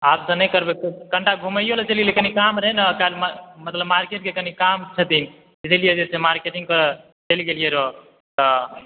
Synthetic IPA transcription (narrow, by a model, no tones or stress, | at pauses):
apsə̃nekəɾbekkəɳʈaɡʱuməjolet͡ʃəlɡelekənikamɾəɦɛnakalmmət̪ləbmaɾkeʈ̚kekənikamt͡ʃʰət̪in | id̪ilijed͡ʒesemaɾkeʈiŋɡkəɾ | t͡ʃəlɡelijeɾɔ | t̪ɔ